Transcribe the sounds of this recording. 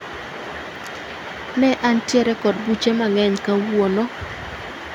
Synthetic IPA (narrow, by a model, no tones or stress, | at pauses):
nɛʔantjɛɾɛkɔd̚but͡ʃemaŋɛɲkawonɔ